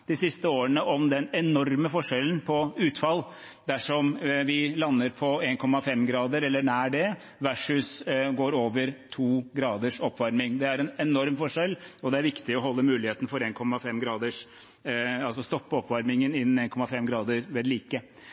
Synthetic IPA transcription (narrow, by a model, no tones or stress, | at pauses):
d̪̥ɪsɪst̪əoːəɳəʔɔmd̪ɛnɛnɔɾməfɔʂɛln̩pʰɔʉːt̪fɑlː | d̪æʂɔmʋɪlɑnːəɾpʰɔeːnkʰɔmːɑfɛmɡɾɑːd̪əɾɛlːəɳæːɖɛ | ʋæʂʉsɡoːɾoːʋəɾt̪ʰuːɡɾɑːd̪əʂɔpːʋɑɾmɪŋd̪ɛæɾɛnɛnɔɾmfɔʂɛlɔd̪ɛæɾʋɪkt̪ɪɔɦɔlːəmʉːlɪheːt̪ən̩fɔɾeːnkʰɔmːɑfɛmɡɾɑːd̪əʂ | ɑlsɔst̪ɔpːəɔpːʋɑɾmɪŋənɪnːn̩eːnkʰɔmːɑfɛmɡɾɑːd̪əɾʋeːd̪liːkə